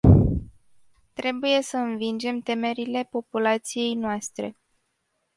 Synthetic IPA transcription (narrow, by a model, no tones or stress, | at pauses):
t̪ɾe̞buje̞səɨnvind͡ʒe̞mt̪e̞me̞ɾile̞po̞pulat̪sije̞jnoast̪ɾe̞̰